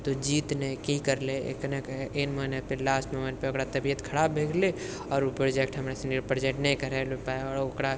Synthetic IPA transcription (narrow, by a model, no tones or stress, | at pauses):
t̪od͡ʒiːt̪nəĩkikəɾlḛknekenmənepelasʈməmənpeokɾat̪əbijət̪kʰəɾabːʱeɡle | ɔːɾupɾod͡ʒek̚ʈɦəmɾasɪɳɖiɾpəɾd͡ʒeʈnɛĩkəɾɛlopaeɔːɾokɾa